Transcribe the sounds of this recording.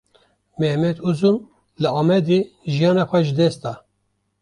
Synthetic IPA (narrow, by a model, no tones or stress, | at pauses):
mɛhmɛt̪uzun | lɨɑːmɛd̪iʒijɑːnɑxʷɛʒɨd̪ɛst̪ɑ